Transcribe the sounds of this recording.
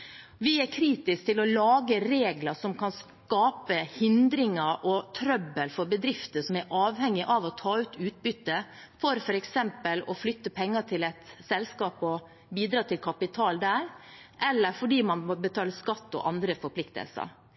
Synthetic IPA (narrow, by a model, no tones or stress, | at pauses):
ʋɪæɾkʰɾiːt̪ɪsk̚t̪ʰɪlɔlɑːɡəɾeːɡlɑʂɔmkʰɑns | kɑːpəhɪnd̪ɾɪŋɑʔɔt̪ʰɾœbəlfɔɾbəd̪ɾɪft̪əsɔmæɾʔɑːʋhɛŋːɪʔɑʋɔt̪ʰɑːʉːt̪ʰʉːt̪̚bʏt̪ːə | fɔɾfɔɾɛksɛmpəlɔflʏt̪ːəpʰɛŋːɑʈ̪ʰɪlɛt̪sɛlskɑːpɔ | biːd̪ɾɑːt̪ʰɪlkʰɑpɪt̪ʰɑːld̪æːɾʔɛlːəɾfɔɖiːmɑnmɔbət̪ʰɑːləskɑt̪ːɔ̰ʔɑnd̪ɾəfɔɾpʰlɪkt̪ə̰lsə̰ɾ